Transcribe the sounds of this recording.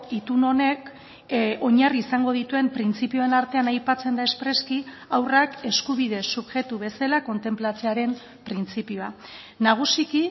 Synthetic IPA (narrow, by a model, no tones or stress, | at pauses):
it̪uno̞ne̞k | o̞ɲariːsaŋɡo̞ðit̪ue̞mpɾint͡sipio̞e̞naɾt̪e̞anajpat͡se̞nd̪ae̞spɾe̞ski | awrake̞skuβ̞ið̞e̞suβʝe̞t̪uβe̞salako̞nt̪e̞mplat͡se̞aɾe̞m | pɾint͡sipioa | naɣ̞usiki